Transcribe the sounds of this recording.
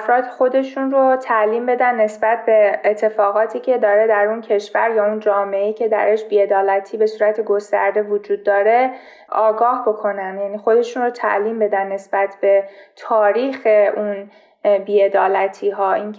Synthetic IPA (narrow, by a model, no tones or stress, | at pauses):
fɾɒːd̪xo̞d̪e̞ʃunrot̪ʰæʔliːmbe̞d̪ænːe̞sbæt̪̚ʰbe̞ːt̪ʰːe̞fɒːɣɒːt̪ʰiːcʰe̞d̪ɒːɾe̞d̪æɾuncʰe̞ʃvæɾjɒːund͡ʒɒːme̞eiːcʰe̞d̪æ̰ɾeʃbiːe̞d̪ɒːlæt̪ʰiːbe̞suːɾæt̪ʰeɡo̞st̪æ̰ɾd̪e̞vod͡ʒuːd̪̚ːɒːɾe̞ | ʔɒːɡɒːhbo̞kʰo̞nænjæniːxo̞d̪e̞ʃuːnrot̪ʰæ̰ʔliːmbe̞d̪ænːe̞sbæt̪ʰbe̞t̪ʰɒːɾiːxe̞ʔun | biːe̞d̪ɒːlæt̪ʰiːɦɒːiːnʰ